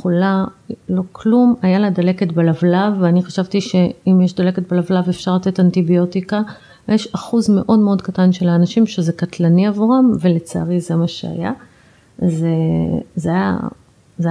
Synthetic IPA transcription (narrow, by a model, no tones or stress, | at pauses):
ulalo̞klumajaladale̞ketbelavlavːeaniχaʃavtiʃe̞imjeʃd̪aleket̪̚belavlavefʃaʁlat̪e̞tantibio̞tika | jeʃaχuzme̞ʔo̞dmeo̞dkatanʃelaːnaʃimʃezekat̪laniavuʁamve̞le̞t͡sa̰ːʁizemaʃea̰ja | zezeaja̰ | z